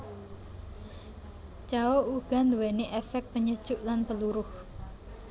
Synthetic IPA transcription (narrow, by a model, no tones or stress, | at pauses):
t͡ʃaouɡ̥a̤nd̪uweneʔefɛk̚t̪̚pəɲəd̥ʒ̥ʊʔlanpəluɾʊh